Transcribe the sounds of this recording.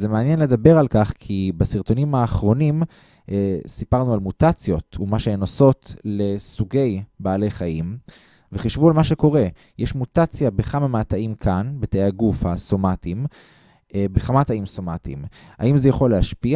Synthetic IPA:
zemeanjenle̞dabe̞ʁalkaχkʰibasiʁt̪o̞nimhaːχʁo̞nim | sipaʁnualmutat͡sjo̞tumaʃeenoso̞tle̞suɡe̞jbaːle̞jχaim | veχiʃvualmaʃe̞ko̞ʁe̞ | jʔeʃmutat͡sjabeχamamaːtaimkʰanbetejaɡufhaso̞matim | beχamataimso̞matḭma̰imzejaχo̞leaʃpia

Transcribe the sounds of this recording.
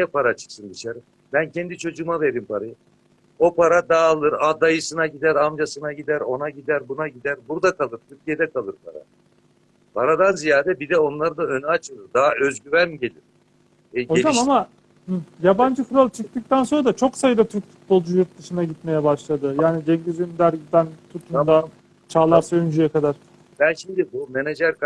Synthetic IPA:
jɛpʰaɾat͡ʃʰɯ̥ksɯnd̪ɯʃaɾɯ | bæncʰɛnd̪it͡ʃʰo̞d͡ʒuːmave̞ɾimpʰaɾajɯ | o̞pʰaɾad̪aːlˠɯɾad̪ajɯsɯnaɟid̪æɾamd͡ʒasɯnaɟid̪æɾo̞naɟid̪æɾbunaɟid̪æɾbuɾd̪akalˠɯɾt̪ʰyɾcʲʰijɛd̪ɛkʰalˠɯɾpʰa̰ɾa̰ | pʰaɾad̪anzijaːd̪ɛbid̪ɛo̞nlˠaɾɯd̪aønat͡ʃʰɯlˠɯd̪aːaøzɟyvænmɟe̞lʲiɾ̥ | ɛozamama | hɯjaband͡ʒɯfɯɾalˠt͡ʃʰɯk̚t̪ɯk̚t̪ænso̞nɾad̪at͡ʃʰo̞ksajɯd̪at̪ʰyɾcfu̥t̪̚bo̞lˠd͡ʒujuɾt̪̚d̪ɯʃɯnaɟit̪me̞jɛbaʃlˠad̪ɯjaːnid͡ʒ̪ɛɲɟyzynd̪æɾid̪ænt̪ʰut̪ʰumd̪a | t͡ʃʰaːlˠaɾsaynd͡ʒyjɛkad̪aɾ̥ | bænʃimd̪ibumened͡ʒæɾk

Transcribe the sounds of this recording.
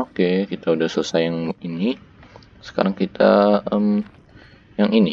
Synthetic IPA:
okekit̪audahsələsajaŋini | sə̥ka̰ɾaŋkit̪ʰa̰ʔəm | jaŋini

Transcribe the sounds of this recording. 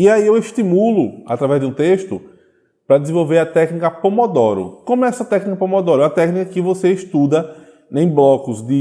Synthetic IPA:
iaiewiʃt̪imulʊa̰t̪ɾavɛzd̪ɪũt̪eʃt̪ʊ̰ | pɾɐd̪ɪzẽvowveɾɐt̪ɛknikɐpomod̪ɔɾʊ̰kõmʊɛsɐt̪ɛknikɐpõmod̪ɔɾʊɛɐt̪ɛknikɐkɪvoseiʃt̪ud̪ɐ | ẽj̃blɔkʊzd̪ɪ

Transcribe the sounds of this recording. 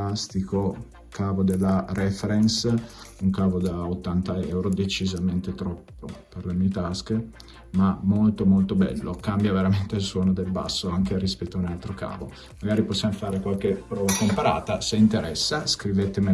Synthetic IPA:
ast̪iko | kaːvod̪elːaɾɛfeɾɛnsuŋkaːvod̪aot̪ːant̪aɛwɾod̪et͡ʃizament̪et̪ɾɔpːoperlemiet̪aske | mamolt̪omolt̪obɛ̰lːokambjaveɾament̪eilswɔːnod̪elba̰sːoaŋkeɾispɛt̪ːoaunalt̪ɾoka̰ːvo | maɡaːɾiposːjamofaːɾekwalkepɾɔːvakompaɾa̰ːt̪aseint̪eɾɛsːaskɾivet̪eme

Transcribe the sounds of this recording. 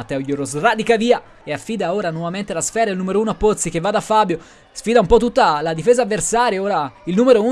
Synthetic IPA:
at̪ːɛojoɾosrad̪ikaviːa | eafːiːd̪aoːɾanwɔvament̪elasfɛːɾaelnumeɾouːnoapːot̪sikevːad̪afːabjo | sfiːd̪aumpɔt̪ːut̪ːalad̪ifeːzavːersaːɾjeoːɾailnuːmeɾou

